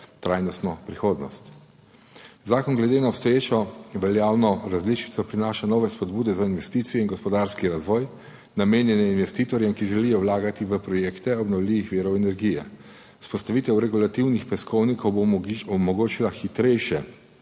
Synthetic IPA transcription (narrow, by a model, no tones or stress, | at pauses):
t̪ɾajnɔst̪nɔpɾixoːd̪nɔst̪ | zaːkɔnɡlɛd̪eːnaɔpst̪ɔjeːt͡ʃɔʋɛljaːwnɔɾazlit͡ʃi̥t̪sɔpɾinaːʃanɔːʋɛspɔd̪buːd̪ɛzainʋɛst̪iːt̪sijɛinɡɔspɔd̪aɾskiɾazʋɔːj | nameːnjɛnɛinʋɛst̪iːt̪ɔɾjɛmkiʒɛlijɔwlaːɡat̪iʋəpɾɔjeːkt̪ɛɔbnɔwlʲiːʋixʋiːɾɔwɛnɛɾɡijɛ | spɔst̪aʋiːt̪ɛwɾɛɡulat̪iwnixpɛskɔwnikʰɔwbɔmɔɡoːt͡ʃilaxit̪ɾɛjʃjɛ